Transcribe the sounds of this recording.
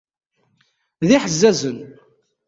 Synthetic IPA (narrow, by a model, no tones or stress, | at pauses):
ðiħəzːæzən